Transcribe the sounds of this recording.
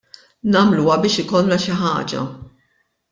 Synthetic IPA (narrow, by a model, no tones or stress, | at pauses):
nɐːmluːwɐbɪːʃɪkɔlːɐʃɪħɐ̰ːd͡ʒɐ̰